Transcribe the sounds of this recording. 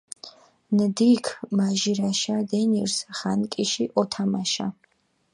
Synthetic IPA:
nɨd̪ikʰmaʒiɾaʃad̪ɛnirsχankʼiʃiʔɔt̪ʰamaʃa̰

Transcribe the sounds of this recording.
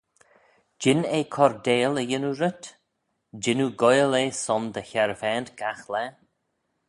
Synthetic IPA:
d͡ʒɪneːkʰɔɾd̪eːləjɪnuɾət̪ | d͡ʒɪnuɡɔjəleːsɔmd̪əçɛɾvɛːnt̪ɡ̥axlɛ

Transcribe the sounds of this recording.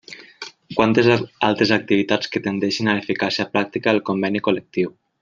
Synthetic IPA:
kwant̪ezalˠt̪ɾezak̚t̪iβit̪at͡sket̪end̪ɛʃinaefikasiapɾak̚t̪ikaːlˠkombɛnikolek̚t̪iw

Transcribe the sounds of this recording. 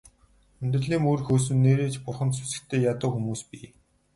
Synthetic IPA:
ɵnʲt̪r̆ɮiːŋoːrxoːs̬ɵ̆nːeːɾeːt͡ɕpʊrχə̆nsʰu̥sɘ̥̆xt̪ʰeːjat̪ʊ̆ːxumuːspi

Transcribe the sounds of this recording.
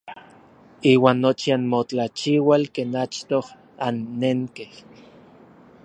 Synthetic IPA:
iːwaːnːot͡ʃianmot͡ɬat͡ʃiwalkeːnat͡ʃt̪oh | anːeŋkeh

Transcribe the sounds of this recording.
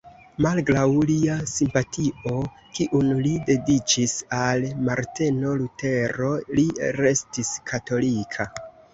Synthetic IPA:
malɡɾawliasimpatʰio̞ | kiʔunlide̞dit͡ʃisalmaɾte̞no̞lute̞ɾo̞liɾe̞stiskʰato̞likʰa

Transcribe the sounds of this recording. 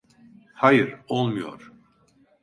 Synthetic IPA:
hajɯɾolˠmujo̰ɾ̥

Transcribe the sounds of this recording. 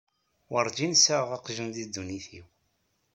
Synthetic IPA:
wəɾˤd͡ʒinsaʁɑqʒənðid̪ːuniθiw

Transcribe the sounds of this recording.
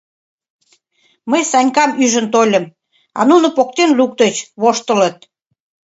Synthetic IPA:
məjsɑnʲkɑmyʒənt̪olʲə̆m | ɑ̰nunŏpok̚t̪enluk̚t̪ət͡ɕβoʃt̪ələt̪̚

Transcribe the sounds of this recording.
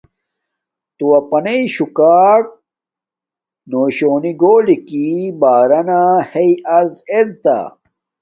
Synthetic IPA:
t̪uwɐpɐneiɕukaːk̚ | noːɕoːniɡoːlikibaːɾɐnahejɐɾzeɾt̪a̰

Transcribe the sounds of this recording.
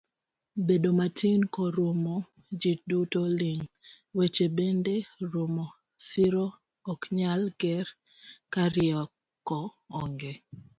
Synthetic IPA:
bedomatʰinkoɾomo | d͡ʒidutoliŋ | wet͡ʃebendeɾumɔ | sɪɾoː | kɲalɡɛɾ | kaɾɪɔ | kːɔː | ŋɡe

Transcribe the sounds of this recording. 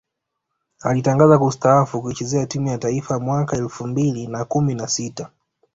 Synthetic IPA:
alitaŋɡazakuustaafukuit͡ʃɛzɛatimujataifamwakaɛlfumbilinakuminasita

